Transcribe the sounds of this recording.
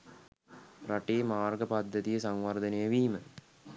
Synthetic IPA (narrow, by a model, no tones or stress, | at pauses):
pɾaʈeːmaːrɡəpad̪ːət̪ijəsaŋʋard̪ənejəʋiːmə